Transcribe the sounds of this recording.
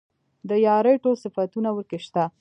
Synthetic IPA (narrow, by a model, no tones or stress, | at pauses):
d̪əjɑɾeʈosɪfat̪unawəɾkeʃt̪a